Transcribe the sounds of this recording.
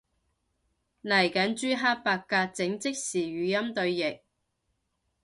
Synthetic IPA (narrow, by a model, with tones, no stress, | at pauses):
nɐ˨˩jkɐ˨˥nt͡ʃyː˥ɦaː˥t̚paː˧kːaː˧t̚t͡sɪ˨˥ŋt͡sɪ˥k̚siː˨˩ɥyː˨˧jɐ˥mt̪ɵ˧ɥjɪ˨k̚